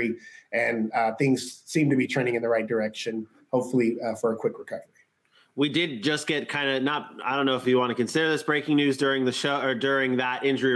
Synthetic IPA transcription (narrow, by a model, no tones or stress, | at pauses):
iɨ̃nθɪ̃ŋz̥sĩmtɨbitʰɹ̥ẽɪnɪ̃ŋɨ̃nðɨɹaɪt̚d̥ə˞ɛkʃɨ̃n | hoʊpfl̩ˠifə˞əkʰw̥ɪkɹəkʰʌvə˞i | widɪd̚d͡ʒʌsɡ̥ɛt̚kʰãɪ̃ndɨnət̚aɪdõʊ̃nːoʊəfjɨwɑ̃nɨkʰɨ̃nsɪɾə˞ðɪsb̥ɹeɪkɪ̃ŋnʉzdʊɹɪ̃ŋðɨʃoʊə˞dʊɹɪ̃ŋðəɾʔɪ̃nd͡ʒə˞i